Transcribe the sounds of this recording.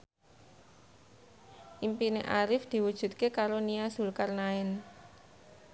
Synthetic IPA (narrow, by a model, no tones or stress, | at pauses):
ʔimpineʔaɾɪfd̪̥i̤wud̥ʒ̥ṳt̪̚kekaɾoniasṳlkarnaɪn